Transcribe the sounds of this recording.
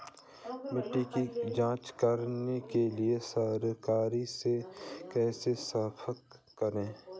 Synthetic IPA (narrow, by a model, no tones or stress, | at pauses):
mɪʈːikid͡ʒãːt͡ʃkəɾnekeliesaːɾkaːɾisekɛːsesaːpʰəkː | əɾẽː